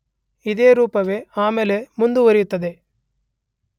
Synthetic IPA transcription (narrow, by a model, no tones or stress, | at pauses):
id̪eːɾuːpɐʋe̞aːmele̞mund̪uʋɐɾijut̪ːɐd̪e̞